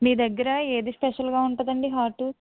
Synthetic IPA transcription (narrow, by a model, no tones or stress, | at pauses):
miːd̪ɐɡːɐɾɐe̞ːd̪ispɛʃɐlɡaːuɳʈːd̪ɐɳɖiɦaːʈu